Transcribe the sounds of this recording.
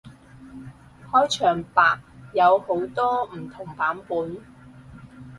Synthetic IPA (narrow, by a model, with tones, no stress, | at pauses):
hɔː˥jt͡ʃʰœː˨˩ŋpaː˨k̚jɐ˨˧who˨˥wt̪ɔː˥m̩˨˩t̪ʰʊ˨˩ŋpaː˨˥mpuː˨˥n